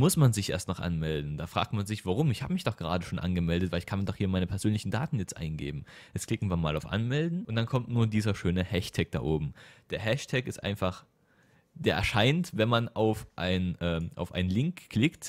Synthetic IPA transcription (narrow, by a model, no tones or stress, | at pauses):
mʊsmanzɪçʔḛːstnaχʔa̰nmɛldn̩d̥aːfʁ̥a̰ːk̚tmanzɪçv̥aʁ̞ʊmɪçhaːbəmɪçd̥ɔχɡ̥əʁaːdəʃoːnʔa̰nɡəmɛldətv̥aɪlɪçkʰandɔχhiːɐmaɪnəpʰɛɐzøːnlɪçn̩da̰ːtn̩jɛt͡stʔa̰ɪnɡḛːbm̩ʔɛskʰl̥ɪkŋ̩viːɐmaːlaʊfʔa̰nmɛldn̩ʔʊntd̥ankʰɔmtnuːɐdiːzɐʃøːnəhɛʃtʰɛk̚d̥a̰ːʔoːbm̩d̥eːɐɦɛʃtʰɛkɪstʔa̰ɪnfaχ | d̥eːɐʔɛ̰ɐʃaɪntvɛnmanaʊfʔaɪnʔɛːʔa̰ʊfʔaɪnənlɪŋkːl̥ɪkt